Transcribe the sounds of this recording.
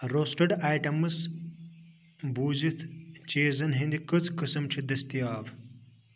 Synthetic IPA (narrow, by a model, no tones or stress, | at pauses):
ɾoːsʈɐɖaːjʈɐmɨs | buːzit̪ʰt͡ʃeːzɐnɦind̪ikɨt͡sʰkɨsɐmt͡ʃʰid̪ɐst̪ijaːb